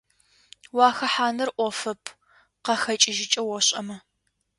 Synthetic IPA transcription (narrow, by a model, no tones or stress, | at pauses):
wɑːxɐħaːnɐrʔʷɔfɐpʰ | qɐxɐt͡ʃʼɪʒɪt͡ʃʼɐwɔɕʼɐ̰mɐ